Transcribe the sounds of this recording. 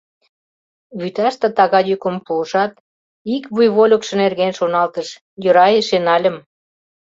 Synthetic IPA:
βyt̪ɑʃt̪ɤ̆t̪ɑɣɑjykə̆mpuːʃɑt̪ | ikβujβolʲəkʃɤ̆nerɣenʃonɑlt̪əʃ | jø̆ɾɑjeʃenɑlʲə̆m

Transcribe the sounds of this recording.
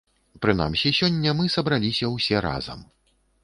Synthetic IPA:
pɾɨna̰msʲisʲɔnʲːɐmɨsɐbɾalʲisʲɐwsʲɛɾa̰zɐ̰m

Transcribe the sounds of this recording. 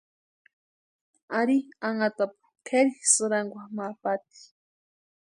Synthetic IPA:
aɾiaŋat̪apḁkʰeɾixsʊɾaŋɡʷamapat̪i̥

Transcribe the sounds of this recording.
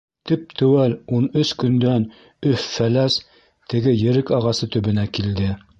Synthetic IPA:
t̪ɘp̚t̪ʰɵ̆wælunɵskɵ̆nd̪æn | ɵfːælæs | t̪ɘ̆ɡɘjɘ̆ɾɘkɑʁɑsɤt̪ɵ̆βɘ̆nækild̪ɘ

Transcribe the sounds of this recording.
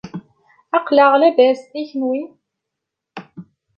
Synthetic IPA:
ɑqləʁlæbæst̪içnwi

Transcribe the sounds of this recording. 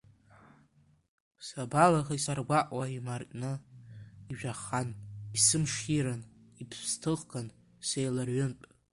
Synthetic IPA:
sabalaχaisarɡʷaʔʼwaimartʼnɨ | iʒᶣaχanisɨmʂiɾanipʰstʰɨʁɡan | sejlarɥʏntʼ

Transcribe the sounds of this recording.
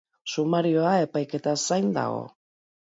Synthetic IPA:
sumaɾio̞ae̞pajke̞t̪asajnd̪a̰ɣo̞̰

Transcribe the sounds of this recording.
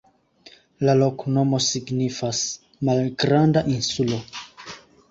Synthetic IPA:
lalo̞kno̞mo̞siɡnifas | malɡɾandaʔinsulo̞

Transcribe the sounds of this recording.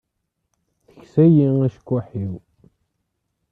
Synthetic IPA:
θəçsæjiŋæʃkʷːæħiw

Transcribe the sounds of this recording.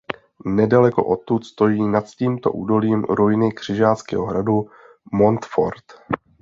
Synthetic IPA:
nɛdalɛko̞̰ʔo̞t̪ːut̪st̪o̞jiːnat̪ciːmt̪o̞̰ʔuːdo̞liːmɾo̞jɪnɪkr̝̥ɪʒaːt͡skɛ̰ɦoɦɾadu | mo̞nt̪fo̰ɾt̪

